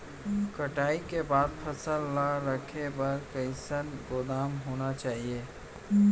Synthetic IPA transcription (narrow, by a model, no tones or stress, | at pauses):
kɐʈaːikebaːd̪̚pʰɐsəlːaɾɐkʰebɐɾkəɪsənɡoːd̪aːmɦoːnat͡ʃaːɦieː